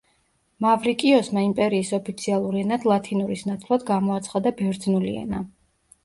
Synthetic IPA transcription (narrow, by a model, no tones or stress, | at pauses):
mavɾikʼiɔsmaimpʼɛɾiːsɔpʰit̪sʰialˠuɾiɛnad̪lˠat̪ʰinuɾisnat̪sʰlˠad̪ɡamɔat̪sʰχad̪abɛɾd̪znuliɛ̰na